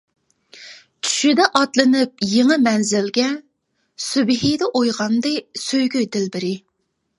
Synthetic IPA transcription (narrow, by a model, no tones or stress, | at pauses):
t͡ʃʰy̥ʃid̪ɛʔɑt̪lˠɨnɨp̚jeŋɨmɛnzɪlɡʲɛ | sybɪɦid̪ɛʔojʁɑnd̪ɨsøjɡʲyd̪ɪlbɪɾɪ